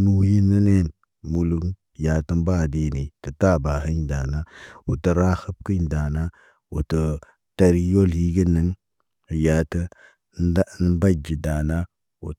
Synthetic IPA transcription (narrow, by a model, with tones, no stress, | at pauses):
nu˦ji˦nːə˦ne˦n | mu˦lu˦ŋ | ja˨tə˦m˦ba˦˨di˨˦ni˨tə˨ta˦ba˨ɦə˦ɲda˨na˦wu˨tə˨ɾa˦xə˦b̚ki˦ɲda˨na˦ | wṵ˨tə˨ | ta˦ɾi˦jo˦lhi˦ɡə˦nə˨˦ŋ˨ | ja˨tə˦ | n˦n˦ba˦d͡ʒi˨da˨na˦ | wṵ˨